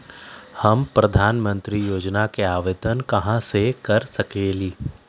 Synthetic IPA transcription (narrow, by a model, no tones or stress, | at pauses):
hɐmpɾɐd̪ʱaːnmə̃nt̪ɾijoːd͡ʒnakeaːʋeːd̪ənkɐɦãsekɐɾsɐkeːliː